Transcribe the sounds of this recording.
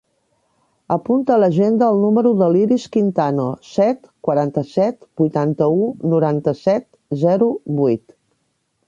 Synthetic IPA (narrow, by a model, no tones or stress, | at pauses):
əpunt̪ələʒend̪əːlˠnuməɾuðəliɾiskint̪anosɛt̪kwəɾant̪əsɛt̪bujt̪ant̪əunuɾant̪əsɛt̪ | zɛɾuβujt̪